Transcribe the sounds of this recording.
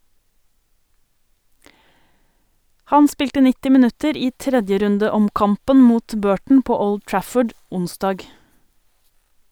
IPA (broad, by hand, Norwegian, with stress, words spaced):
ˈhɑn ˈspɪltə ˈnɪtɪ mɪˈnʉtəɾ ˈiː ˈtɾɛdjəɾʉndəˌɔmˌkɑmpən ˈmuːt ˈbøːʈɳ̩ ˈpoː ˈɔld ˈtɹæfəɖ ˈʊnˌsdɑːɡ